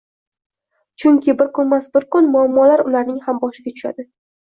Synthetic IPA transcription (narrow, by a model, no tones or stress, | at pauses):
t͡ʃʰʊŋkʲʰɪbɪɾkʰʊnmasbɪɾkʊnmʊamːɒlaɾʊlaɾnɪŋhambɒʃɪɡʲat̪ʰʊ̥ʃa̰d̪ɪ